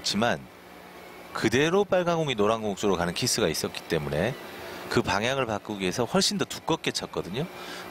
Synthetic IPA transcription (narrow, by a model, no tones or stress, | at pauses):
t͡ɕʰiman | kɯde̞ɾop͈aɭɡaŋɡoŋinoɾaŋɡoŋk̚t͡ɕ͈oɾokanɯnkʰis͈ʰɯɡais͈ʌk͈i̥t͈e̞mune̞kɯpaŋjaŋɯɭpak͈uɡiesʰʌɸwʌɭɕ͈indotu̥k͈ʌk͈e̞t͡ɕʰʌt̚k͈ʌdɯɲo